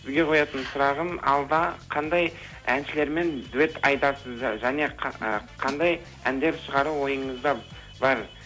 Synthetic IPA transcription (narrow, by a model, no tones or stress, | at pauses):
sɪzɡʲe̞qʰo̞jɑt̪ənsʊɾɑʁənɑ̰lˠd̪ɑqʰɑnd̪ɑj | ænʃɪle̞ɾme̞nd̪uet̪ʰɑjd̪ɑɾsəzʒæne̞qʰəqʰɑnd̪ɑj | ænd̪e̞ɾʃəʁɑɾuwo̞jəɴəzd̪ɑ | bɑɾ